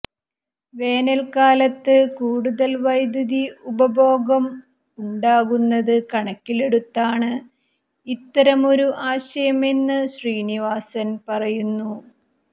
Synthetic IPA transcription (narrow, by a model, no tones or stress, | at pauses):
ʋe̞ːnɐlkaːlɐt̪ːɨkuːɽuðɐlʋɐjd̪ɐðiubɐbʱo̞ːɣɐm | uɳɖaːɣunːɐðɨkɐɳɐkːile̞ɽut̪ːaːɳɨ | it̪ːɐɾɐmo̞ɾuʔaːɕɐjɐme̞nːɨɕriːniʋaːsɐnpɐrɐjunːu